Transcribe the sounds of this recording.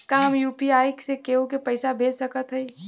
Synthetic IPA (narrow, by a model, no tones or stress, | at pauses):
kaɦəmjuːpiaːjksekeːõk̬epɐɪsabʱeːlsɐkət̪ɦɛi